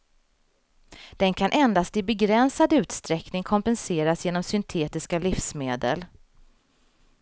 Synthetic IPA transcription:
d̪̥ɛnkʰanʔɛnd̪ast̪ɪbɛɡɾɛnsad̪ʉ̟ːt̪st̪ɾɛknɪŋkʰɔmpɛnseːɾasjeːnɔmsʏnt̪ʰeːt̪ɪskalɪfsmeːd̪ə̰l

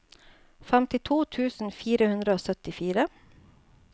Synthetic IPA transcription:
fæmt̪ɪt̪ʰuːt̪ʰʉːsn̩fiːɾəhʉnd̪ɾəoːsœt̪ɪfiːɾə

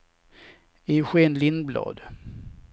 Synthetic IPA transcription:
ɪɧeːnlɪnblɑ̰ːd̪

